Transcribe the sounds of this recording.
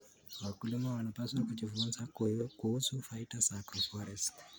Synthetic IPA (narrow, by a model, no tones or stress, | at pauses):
wakulimawanapʼaswakut͡ʃʼivumunsakkuɦusufaitʼasakrɔfɔɾɛs